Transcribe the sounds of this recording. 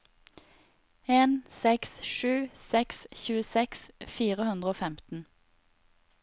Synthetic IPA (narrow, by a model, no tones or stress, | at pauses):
eːnsɛksʃʉːsɛksçʉːəsɛksfiːʁəhʉnd̪ʁəoːfɛmt̪n̩